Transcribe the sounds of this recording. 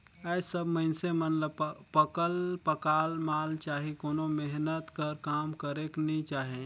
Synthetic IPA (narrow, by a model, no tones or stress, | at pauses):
əsəbməɪnsemənləbpəkəlpəkaːlmaːlt͡ʃaːɦikoːnomeɦnət̪kəɾkaːmkəɾeknit͡ʃaːɦẽ